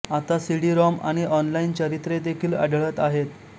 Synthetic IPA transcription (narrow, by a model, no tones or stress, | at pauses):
at̪asiɽiɾɔma̰ɽ̃iʔɔnlaint͡ɕəɾit̪ɾed̪ekʰiːlə̰ɖɭət̪aɦet̪